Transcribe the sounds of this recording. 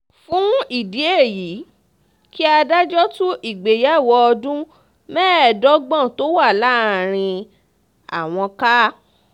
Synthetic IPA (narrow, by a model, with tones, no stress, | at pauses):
fũ˦i˦˨di˨˦e˦˨ji˨˦ | ki˦a˧da˦d͡ʒɔ˦tũ˦ʔi˦˨ɡ͡be˨ja˨˦˨wɔ˧ɔ˧dũ˦ | mɛ̃ː˦ɛ˨dɔ˦ɡ͡bɔ̃˦˨to˦wa˦˨la˦ɾ̃ĩ˧ | a̰˨w̃ɔ̃˧ka˦